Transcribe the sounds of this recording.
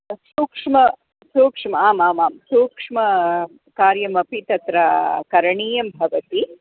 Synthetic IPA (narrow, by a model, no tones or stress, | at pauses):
suːkʂmɐ | suːkʂmɐaːmaːmaːmsuːkʂmɐ | kaːɾjɐmɐpit̪ɐt̪ɾɐkɐɾɐɳiːjɐmbʱɐʋɐt̪i